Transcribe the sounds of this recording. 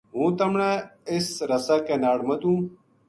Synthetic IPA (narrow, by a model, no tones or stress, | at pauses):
ɦũːt̪ɐmɳaisɾɐsakenaːɽmɐd̪ũː